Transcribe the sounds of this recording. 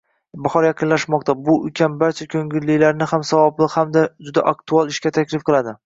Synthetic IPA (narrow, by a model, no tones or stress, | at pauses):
bahɒɾjaqʰɨnlaʃmɒq̚t̪ʰabʊʊ̰kʲʰanbaɾt͡ʃʰakʲʰɵŋɡʲɪlːɪlaɾnɪhamsavɒblˠɪqhamd̪ad͡ʒʊd̪a̰ʔak̚t̪ʰualˠɪʃkʲat̪ʰakʲlɪfqʰɨlˠad̪ɪ